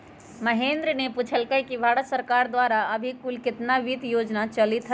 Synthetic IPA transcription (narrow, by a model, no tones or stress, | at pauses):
məɦẽːnd̪ɾəneput͡ʃʰəlkəkibʱaːɽət̪səɾkaːɾd̪ʋaːɾaəbʱikʊlkɪt̪naʋit̪joːd͡ʒnat͡ʃəlit̪ɦ